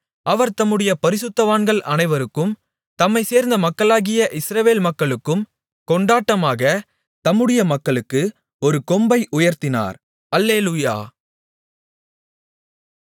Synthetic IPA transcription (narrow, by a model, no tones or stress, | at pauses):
ɐʋɐɾt̪ɐmːɯɽɐjɐpɐɾɪsɯt̪ːɐʋaːnɡɐɭʔɐnɐɪʋɐɾɯkːɯm | t̪ɐmːɐɪseːɾnd̪ɐmɐkːɐɭaːɣɪjɐʔɪsɾɐʋeːlmɐkːɐɭɯkːɯm | kɔɳɖaːʈːɐmaːɣɐ | t̪ɐmːɯɽɪjɐmɐkːɐɭɯkːɯ | ɔɾɯkɔmbɐɪʔʊjɐɾt̪ɪna̰ːɾ | ɐlːeːluja̰ː